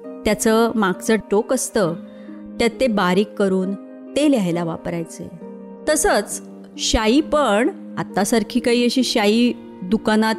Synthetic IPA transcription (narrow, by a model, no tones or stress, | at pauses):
t̪jat͡səmaɡt͡səʈokəst̪ə | t̪jat̪ːebaɾiːkːəɾuːn | t̪eljajlaʋa̰pɾajt͡sə̰j | t̪əsət͡s | ɕaipəɳ | at̪ːasaɾkʰiːkaɦiːəɕiːɕaiː | d̪ukanat̪